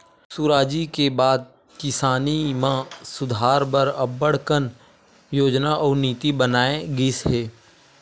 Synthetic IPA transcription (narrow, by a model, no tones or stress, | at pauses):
sʊɾaːd͡ʒikebaːd̪̚ | kɪsaːnimãsʊd̪ʱaːɾbəɾəbəɽ̤kən | joːd͡ʒnaʔɔːɾniːt̪ibənaːẽɡɪsɦeː